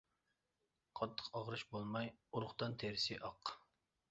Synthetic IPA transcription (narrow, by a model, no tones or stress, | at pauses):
qʰɑt̪ʰːə̥qɑʁɾɨʃbolˠmɑjuɾʊχt̪ɑnt̪ʰeɾɪsɪʔɑq